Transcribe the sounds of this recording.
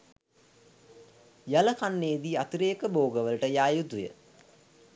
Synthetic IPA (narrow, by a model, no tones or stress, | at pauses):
jaləkanːeːd̪iːat̪ɾeːkəboːɡəʋəlʈəjaːjut̪ujə̰